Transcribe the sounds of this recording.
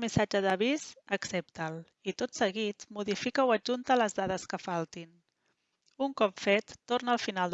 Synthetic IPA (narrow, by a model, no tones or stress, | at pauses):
misad͡ʒəðəβizəksep̚t̪əlˠ | it̪ot̪səɣit̪muðifikəwəʒunt̪ələzðaðəskəfalˠt̪in | uŋkɔpfet̪ːornəəlˠfinalˠd̪